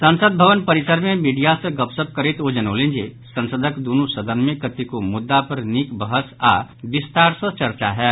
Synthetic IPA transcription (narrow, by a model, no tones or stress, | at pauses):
sənsəd̪̚bʱəʋənpəɾisəɾmẽmiɖijasə̃ɡəpsəp̚kəɾit̪od͡ʒənəʊlind͡ʒesə̃nsəd̪ʱəkd̪onusəd̪ʱənmẽkət̪ikomʊd̪ːapəɾnikbəɦəsa̰bist̪aɾsə̃t͡ʃəɾt͡ʃaɦɛ